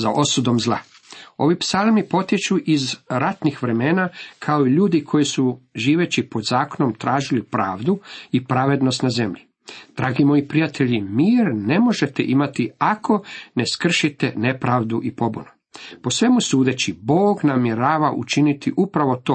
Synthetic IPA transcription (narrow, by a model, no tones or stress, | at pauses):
za̰ʔo̞sud̪o̞mzlˠa̰ | o̞ʋipsalˠmipo̞t̪jet͡ʃuʔizɾat̪nixʋɾe̞me̞ːnakʰaoiʎuːd̪ikʰo̞jisuʒiːʋe̞t͡ɕipo̞d̪zaːko̞no̞mt̪ɾaːʒilipɾa̰ːʋd̪uipɾaʋe̞d̪no̞st̪naze̞mʎi | d̪̥ɾaːɡimo̞jipɾijat̪ʰe̞ʎimiːɾne̞mo̞ʒe̞t̪ḛʔimat̪iakʰo̞ne̞skr̩ʃit̪e̞ne̞pɾaːʋd̪uʔipo̞buno | posʋe̞musuːd̪e̞t͡ɕiboːɡnamjeɾaːʋaʔṵt͡ʃinit̪iʔupɾaʋo̞t̪oː